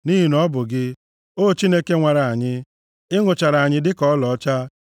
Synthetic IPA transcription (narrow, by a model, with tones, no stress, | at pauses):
ni˦ɦi˦nɔ˦bʊ˨ɡɪ˦ | o˦˨t͡ʃi˦ne˦ke˦ŋʷa˨ɾa˨a˨ɲɪ˦ | ɪ˦ŋʊ˨t͡ʃa˨ɾa˨a˨ɲɪ˦dɪ˦kɔ˦ɔ˦lɔ˨ɔ˦t͡ʃa˦